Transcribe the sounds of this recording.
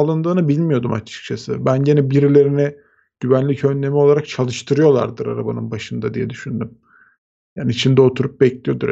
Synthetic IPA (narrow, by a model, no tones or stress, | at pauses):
alˠɯnd̪ɯːnɯbilʲmijo̞d̪uma̰t͡ʃʰɯ̥k̚t͡ʃʰasɯbænɟenɛbiɾilʲe̞ɾinɛ | ɟ̥yβænlʲicʰø̞nːe̞mio̞lˠaɾak̚t͡ʃʰalˠɯʃt̪ʰɯɾɯjo̞lˠa̰ɾd̪ɯɾa̰ɾabanɯnbaʃɯnd̪ad̪ijɛd̪yʃynd̪ym | jaːniit͡ʃʰind̪ɛo̞t̪ʰuɾup̚bɛclʲijo̞d̪uɾ